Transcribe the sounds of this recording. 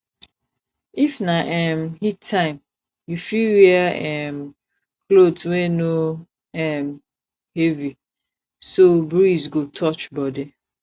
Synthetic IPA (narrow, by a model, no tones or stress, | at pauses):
ifnaʔɛmhitʰːãɪ̃m | jufilwiɛm | klodsweno | ɛm | hevi | sobɹizɡotʰɔt͡ʃbɔdi